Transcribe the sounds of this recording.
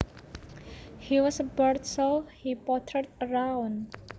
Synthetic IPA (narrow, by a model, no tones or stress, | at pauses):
hiwɔsəbəɾtsəlhipɔt̪ʰət̪əɾawn